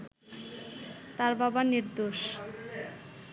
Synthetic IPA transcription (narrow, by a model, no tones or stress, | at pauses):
t̪aɾbabaniɾd̪oʃ